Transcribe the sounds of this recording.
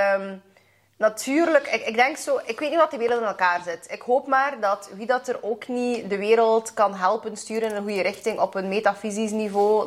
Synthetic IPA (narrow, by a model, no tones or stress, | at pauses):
m | nɑtʰyːrləkɪɪɡ̚dɛŋksoːʔɪkʋeːtniʋɑtdəʋeːɾəlˠtɪnɛlˠkaːrzɪtɪkɦoːpmaːrdɑtʋidɑtəroːknidəʋeːɾəlˠtkɑnɦɛlˠpənstyːɾənənɦujəɾɪxtɪŋʔɔpənmeːtafizisnivoː